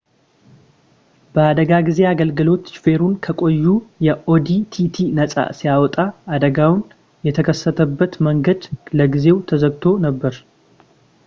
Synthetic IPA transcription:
b̥əad̪əɡaɡize̞aɡəlɡɨlo̞t̪t͡ʃfe̞ɾunkʰəkʼo̞jːujɛʔo̞d̪it̪ʰit̪ʰinəsʼa̰sijawɔt̪ʼaːd̪əɡawn | jɛt̪ʰəkʰəsːət̪ʰəbːət̪məŋɡəd̪ləɡize̞wt̪ʰəzəɡt̪ʰo̞nəbːəɾ

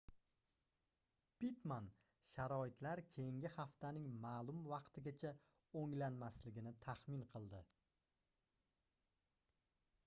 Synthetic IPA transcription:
pit̪man | ʃaɾɒɪt̪laɾkʲʰejɪŋɡʲɪχaft̪ʰanɪŋmaːlˠʊmvɑqt̪ʰɪɡʲat͡ʃʰa | oŋlanmaslɪɡʲɪnɪt̪ʰaχmɪnqʰɨlˠd̪ɪ

